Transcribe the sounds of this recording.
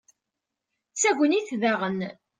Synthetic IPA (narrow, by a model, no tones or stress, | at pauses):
t͡sːæɡʷəniθðaʁən